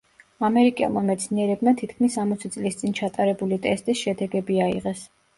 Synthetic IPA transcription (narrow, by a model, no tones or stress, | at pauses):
amɛɾikʼɛ̰lˠmamɛt̪sʰniɛɾɛbmat̪ʰit̪ʰkʰmisamɔt̪sʰit̪sʼlist̪sʼint͡ʃʰat̪ʼaɾɛbulit̪ʼɛst̪ʼisʃɛd̪ɛɡɛbiaḭʁɛs